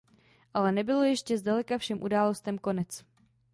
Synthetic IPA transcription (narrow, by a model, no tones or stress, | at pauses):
ʔalɛnɛbɪlo̞jɛʃcɛzdalɛkafʃɛmʔudaːlo̞st̪ɛmko̞nɛt͡s